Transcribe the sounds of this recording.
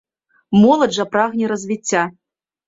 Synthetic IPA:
mɔlˠɐʐɐpɾaɣnʲɛɾɐzʲvʲit͡sʲːa

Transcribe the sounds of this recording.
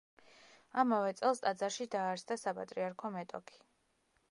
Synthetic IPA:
amavɛt̪sʼɛlˠst̪ʼad̪zaɾʃid̪aːɾsd̪asapʼa̰t̪ʼɾiaɾkʰɔmɛt̪ʼɔ̰kʰi̥

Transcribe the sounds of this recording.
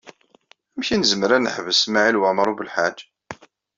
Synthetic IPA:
æmçinəzməɾænəħvəsmaʕilwæmɾˤubəlħad͡ʒ

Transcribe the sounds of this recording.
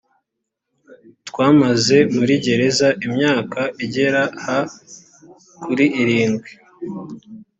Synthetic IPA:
twaːmaze̞muɾiɟe̞ɾe̞zaʔimɲaːkaiɟe̞ɾaha | kuɾiʔːɾiːnɡwi

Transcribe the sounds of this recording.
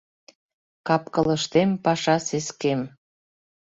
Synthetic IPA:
kɑp̚kələʃt̪empɑʃɑseskem

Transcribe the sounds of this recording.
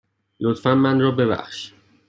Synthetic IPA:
lot̪fænmænrɒːbe̞bæ̰χʃ

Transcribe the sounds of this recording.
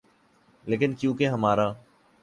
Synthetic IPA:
leːkɪnkjũːkeɦəmaːɾaː

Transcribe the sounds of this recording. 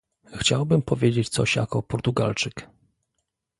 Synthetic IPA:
xt͡ɕawbɘmpɔvʲjed͡ʑet͡ɕt̪sɔɕja̰kɔpɔɾt̪uɡa̰lt͡ʂɘk

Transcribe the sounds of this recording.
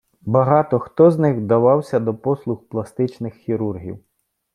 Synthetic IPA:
bɐɦɑt̪ɔxt̪ɔznɪɣd̪ɐʋɑwsʲɐd̪ɔpɔslˠʊxplˠɐst̪ɪt͡ʃnɪxːʲiɾurɦʲḭw

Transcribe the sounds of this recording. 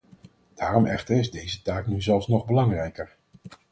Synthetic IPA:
d̥aːrɔmʔɛχtəɹɪzdejzətaːknyzɛlˠfsnɔχbəlɑŋrɛjkəɹ

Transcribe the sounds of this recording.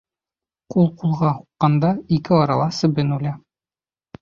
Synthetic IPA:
qulˠqulˠʁɑhu̥qːɑnd̪ɑikɘɒɾɑ̰lˠɑsɘ̆bɘnʉlʲæ

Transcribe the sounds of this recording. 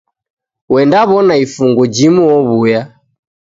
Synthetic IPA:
wɛndaβɔnaifuŋɡɔd͡ʒimuɔβuja

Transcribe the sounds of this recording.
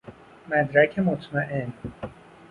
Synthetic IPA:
mæd̪ɾækʰemot̪ʰmæʔen

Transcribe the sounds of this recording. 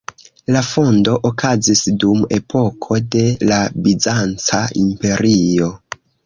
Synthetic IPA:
lafo̞ndo̞ʔokʰazisdume̞pʰo̞kʰo̞de̞labizant͡saimpe̞ɾio̞

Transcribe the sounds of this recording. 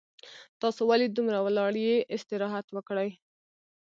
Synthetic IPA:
t̪ɑsowalid̪umɾawlɑɽjeʔɪst̪ɪɾɑɦat̪wəkɽaj

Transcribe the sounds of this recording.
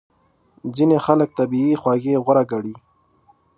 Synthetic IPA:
zinexalək̚t̪abiixwaɣeɣaɾaɡaɽi

